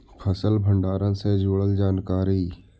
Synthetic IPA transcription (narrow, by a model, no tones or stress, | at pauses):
pʰəsəlbʱə̃ɳɖaːɾənsed͡ʒoːɽəld͡ʒaːnkaːɾi